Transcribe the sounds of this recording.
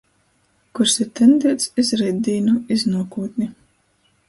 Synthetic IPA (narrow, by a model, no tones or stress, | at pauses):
kuɾsiɾt̪ɛnd̪iɛt̪sizɾɛjd̪iːnuiznuɔkuːt̪nʲi